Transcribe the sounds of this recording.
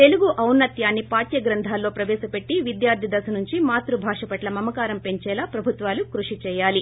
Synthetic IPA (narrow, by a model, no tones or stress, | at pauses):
t̪e̞luɡuʔɐwnːɐt̪jaːnːipaːt̪jɐɡɾɐnd̪ʱaːlːoːpɾɐʋɛːʃɐpe̞ʈːiʋid̪jaːɾd̪ʱid̪ɐsɐnuɲt͡ʃimaːt̪ɾubʱaːʂɐpɐʈlɐmɐmɐkaːɾɐmpe̞ɲt͡ʃɛːlaːpɾɐbʱut̪ʋaːlukɾuʂit͡ʃɛːjaːli